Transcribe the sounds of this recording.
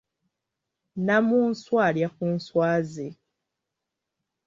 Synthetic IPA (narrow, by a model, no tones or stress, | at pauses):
namunswaljakunswaːze